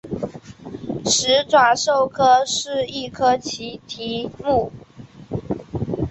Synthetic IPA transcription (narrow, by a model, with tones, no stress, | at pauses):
ʂɻ̩˧˥ʈ͡ʂwa˨˩ʂo˥˩ʊkʰɤ˥ʂɻ̩˥˧i˥˩kʰɤ˥t͡ɕʰi˧˥t̪ʰi˧˥mu˥˩